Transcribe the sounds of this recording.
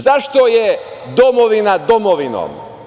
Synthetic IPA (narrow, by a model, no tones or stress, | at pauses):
zaʃt̪oje | d̪omoʋinad̪omoʋino̰ːm